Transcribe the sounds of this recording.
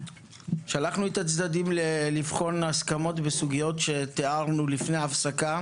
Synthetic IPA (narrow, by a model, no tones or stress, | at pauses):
ʃalaχnuet̪at͡sd̪adimlelifχo̞naskamo̞t̪besuɡijo̞tʃe̞t̪eaʁnulifneaːfsaka